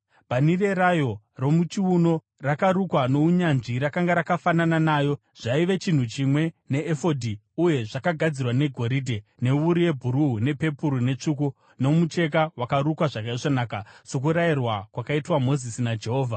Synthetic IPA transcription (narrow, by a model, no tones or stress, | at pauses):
bʱanire̞ɾajo̞ | ro̞mut͡ʃiuno̞ | rakaɾukwano̞uɲanʐiɾakaŋɡaɾakafanananaːjo̞ | ʐ̥aiʋe̞t͡ʃin̤ut͡ʃimwe̞ne̞ːfo̞dʱi | uje̞ʐakaɡʱad͡zirwane̞ɡʱo̞ɾidʱe̞ne̞ʋuɾije̞bʱuɾuɦune̞pe̞puɾune̞t͡ʂuku | no̞mut͡ʃe̞k̬awakaɾukwaʐakaiʐanaːkaso̞k̬uɾairwakwakaitwamo̞zisinad͡ʒe̞ɦo̞ːvʱa